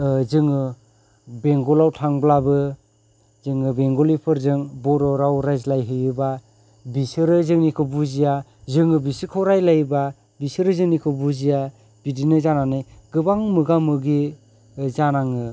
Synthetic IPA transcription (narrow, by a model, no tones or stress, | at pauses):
zɯŋɯ | beŋɡɔlawtʰaŋblabɯ | zɯŋɯbeŋɡɔlipʰɯɾzɯŋbɔɾɔɾawɾajzlajɦɯjɯba | bisɯɾɯzɯŋnikʰɯbuzijazɯŋɯbisikʰɔwɾajlajɯba | bisɯɾɯzɯŋnikʰɯbuzija | b̥idinɯzananɯjɡɯbaŋmɯɡamɯɡi | zanaŋɯ